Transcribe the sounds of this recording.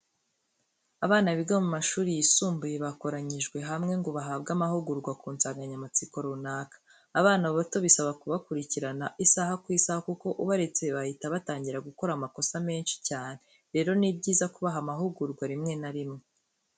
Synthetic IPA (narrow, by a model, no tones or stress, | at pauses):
aβaːnaβiɡamumaʃuːɾijisuːmbujeβako̞ɾaɲiʒɡwe̞ɦamŋe̞ŋɡo̞βaɦaːbɡamahuɡuɾɡwakuːnt͡saːŋɡaɲamat͡siko̞ɾunaːkḁː | βaːnaβoβato̞βisaβakuβakuɾiciɾanaʔisahakwiːsahakuko̞ʔuβaɾe̞t͡se̞βahitaβataːɲɟiɾaɡuko̞ɾamako̞same̞ːnʃi̥caːne̞ | ɾe̞ːɾo̞nibɟiːzakuβaɦamaɦuɡuɾɡwaɾimŋe̞naɾimŋe